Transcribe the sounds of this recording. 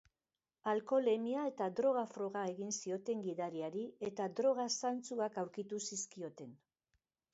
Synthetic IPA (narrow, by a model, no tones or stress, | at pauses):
alko̞le̞miae̞t̪ad̪ɾo̞ɣ̞afɾo̞ɣae̞ɣinsio̞t̪e̞ŋɡiðaɾiaɾie̞t̪ad̪ɾo̞ɣ̞asant͡suakawɾkit̪usiskio̞t̪e̞n